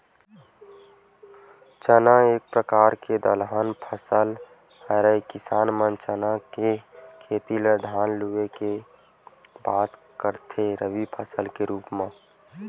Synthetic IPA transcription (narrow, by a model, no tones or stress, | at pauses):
t͡ʃənaeːk̚pɾəkaːɾked̪əlɦaːnpʰəsəl | həɾəikɪsaːnmə̃nt͡ʃənakekʰeːt̪iləɾd̪ʱaːnlueke | baːt̪ | kəɾt̪ʰeɾəʋipʰəsəlkeɾuːpmã